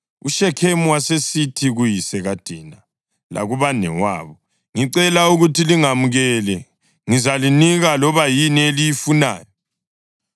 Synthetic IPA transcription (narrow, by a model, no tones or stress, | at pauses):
ṵʃɛkʰemuwasesitʰiɣujisɛɣad̥ʱiːna | lʔa̰ɣuβanɛ̰wa̰ːβɔ | ŋiǀɛlauɣutʰiliŋamuɣɛlɛ | ŋizaliniɣalɔβajinielijifuna̰ːjɔ